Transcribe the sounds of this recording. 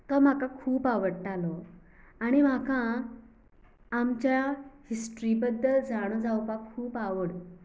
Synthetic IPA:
t̪ɔm̤akakʰuːpaʋəɽʈ̪alɔ | aɽ̃im̤aka | mt͡ɕjahisʈɾibəd̪ːəld͡zaɽ̃od͡zawpakʰːuːpaʋəɽ

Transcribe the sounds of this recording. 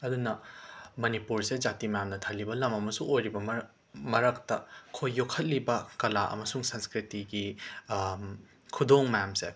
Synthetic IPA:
ɐdunɐmɐnipuɾsed͡ʒatimɐjamnɐtʰɐlːibɐlɐmɐmɐsuŋojɾibɐm | mɐɾɐk̚tɐkʰojːokʰɐt̚libɐkɐlaʔɐ̰mɐsuŋsɐnskɾitiɡi | kʰudoŋmɐjamse

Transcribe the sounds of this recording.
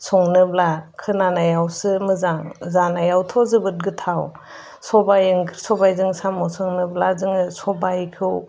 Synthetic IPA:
sʰɔŋnɯblakʰɯnanajawsɯmɯzaŋzanajawtʰɔzɯbɯt̚ɡɯtʰaw | sɔbajɯŋsɔbajzɯŋsamɔsɔŋnɯblazɯŋɯsɔbajkʰuw

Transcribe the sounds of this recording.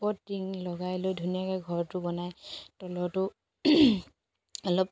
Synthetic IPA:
pɔtːiŋlɔɡajlojdʱunijakɔjɡʱɔɹtʊbɔnajtɔlɔtʊ | ɔlɔp̚

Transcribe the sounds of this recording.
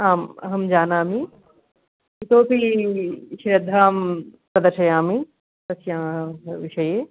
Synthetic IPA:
aːmɐ̰ɦɐmd͡ʒaːnaːmi | ɪt̪oːpʰi | ʃɾɐd̪ʱːaːmpɾɐd̪ɐʃʰɐjãːmi | t̪ɐsjãːʋɪʃɐjeː

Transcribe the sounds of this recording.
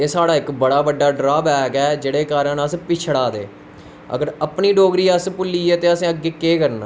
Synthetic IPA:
eːsaːɽaːɪkbəɽaːbəɖːaːɖɾaːbɛːkɛːd͡ʒeːɽeːkaːɾənəspɪt͡ʃʰɽaːd̪ḛː | ə̰ɡəɾəpniːɖoːɡɾiːəspʊlːiːɛːt̪eːəsẽːəɡːeːkeːkəɾna̰ː

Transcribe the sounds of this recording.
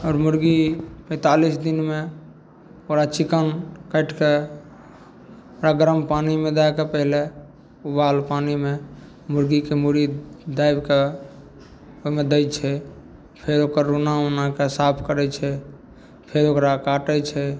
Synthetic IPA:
ɔːɾmuɾɡipə̃ɪt̪alisd̪inme | oɾat͡ʃikənkəɪʈke | oɾaɡəɾəmpanimẽd̪ajkepəɦile | ubalpanime | muɾɡikemuɾid̪ajbke | omed̪əjt͡ʃʰɛ | pʰeɾokəɾːunaonakesapʰkəɾɛt͡ʃʰɛ | pʰeɾokɾakaʈɛt͡ʃʰɛ

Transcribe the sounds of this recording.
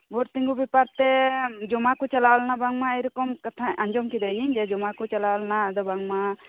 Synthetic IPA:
bʱɔɾt̪iŋɡubipaɾt̪ɛd͡ʒɔmakut͡ʃalawlnabaŋmaəjɾɔkɔmkat̪ʰaʔaɲd͡ʒɔmkid̪ajiɲd͡ʒɛd͡ʒɔmakut͡ʃalawlnad̪ɔbaŋma

